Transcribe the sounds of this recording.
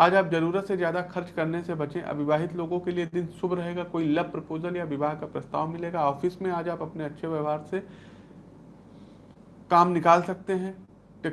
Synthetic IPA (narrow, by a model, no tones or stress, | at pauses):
aːd͡ʒaːpzɐɾuːɾət̪sezjaːd̪axɐɾt͡ʃkɐɾnesebɐt͡ʃẽʔɐ̰bɪbaːɦɪt̪loːɡõkelied̪ɪnsʊbʱɾɐɦeːɡakoːilɐb̚pɾɐpoːzəljaʋɪbaːɦkapɾɐst̪a̰ːʋmɪleːɡaɔːfɪsmẽaːd͡ʒaːpɐpneɐtːʃʰeʋjɐʋaːɾse | kaːmnɪkaːlsɐk̚t̪eɦɛ̃ː | ʈː